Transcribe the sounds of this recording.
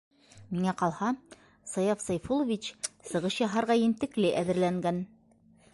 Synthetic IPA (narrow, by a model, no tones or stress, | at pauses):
miŋæqɑlˠhɑ | sɑjɑfsɑjfulˠŏvʲit͡ɕsɤ̆ʁɤɕjɑɦɑɾʁɑjɘ̆mt̪ɘ̆klɘʔæðɘ̆ɾlæŋɡæn